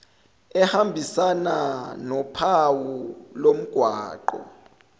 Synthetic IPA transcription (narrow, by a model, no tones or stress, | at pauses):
ɛhambʱisananɔpʰawulom̩ɡ̥ʱwaːǃɔ̰